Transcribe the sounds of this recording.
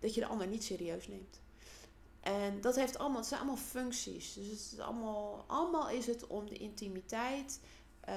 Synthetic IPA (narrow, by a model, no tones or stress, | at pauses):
d̥ɑtjədə̰ʔɑ̰ndəɹnitseːɾiøːsneːmt | ʔɛndɔtɦeftɑ̰lˠəmsɛnɑ̰lˠəmaːlˠfʏŋksḭsdøsəɪsɑ̰lˠmːlˠʔɑ̰ləmaːlˠɪsətɔmdəʔɪntimitɛjt